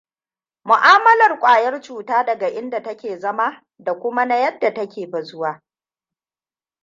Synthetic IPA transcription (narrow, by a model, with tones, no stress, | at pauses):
mʊ˨ʔaː˦mɐ˦lɐ˨rkʷʼaː˨jɐ˦rt͡ʃuː˨taː˦dɐ˨ɡa˨ʔɪ˦nda˨tɐ˦kʲeː˨zɐ˦ma˦ | da˨kʷʊ˦ma˦na˦jɐ˦dːa˨tɐ˦kʲeː˨ɸɐ˨zʊ˦waː˦